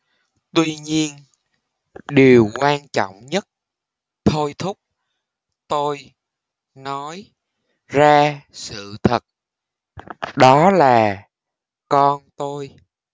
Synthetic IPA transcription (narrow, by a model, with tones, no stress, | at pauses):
t̪wi˧ɲi˧ən | ɗi˨˩əwkwaː˧nt͡ɕɔ̰˧˨wŋ͡mɲə˦˥t̚ | t̪ʰo˧jt̪ʰʊ˦˥k͡p̚ | t̪o˧j | nɔ˨˦j | zaː˧sɨ̰˧˨t̪ʰə˨˩t̚ | ɗɔ˨˦laː˨˩ | kɔ˧nt̪o˧j